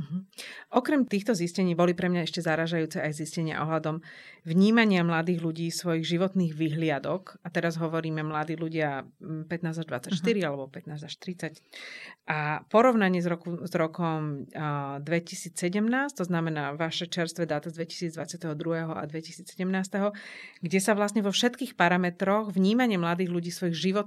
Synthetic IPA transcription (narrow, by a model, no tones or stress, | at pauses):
ɦ̩ʔɔkɾɛmt̪iːxt̪ɔziscɛɲiːbɔlipɾɛmɲaɛʃcɛzaɾaːʒajuːt͡sɛʔajziscɛɲɪa̰ʔɔɦlad̪ɔmʋɲiːmaɲɪamlad̪iːɣluɟiːsʋɔjiɣʒiʋɔt̪niːɣʋiɦlɪad̪ɔkat̪ɛɾazɦɔʋɔɾiːmɛmlad̪iːluɟɪapɛt̪naːzaʒd̪ʋa̰t͡sacʃt̪iɾialɛbɔpɛt̪naːzaʃt̪ɾit͡sacʔapɔɾɔʊnaɲɪɛzɾɔkuzɾɔkɔm | d̪ʋɛcisiːt͡sːɛɟɛmnaːsct̪ɔznamɛnaːʋaʃɛt͡ʃɛɾst̪ʋɛd̪aːt̪azd̪ʋɛci̥siːd͡zd̪ʋat͡sɪat̪ɛɦɔd̪ɾuɦɛɦɔa̰d̪ʋɛci̥siːt͡ssɛɟɛmnaːst̪ɛɦɔɡɟɛsaʋlasɲɛʋɔfʃɛt̪kiːxpaɾamɛt̪ɾɔɣʋɲiːmaɲɪɛmlad̪iːɣluɟiːsʋɔjiɣʒiʋɔt̪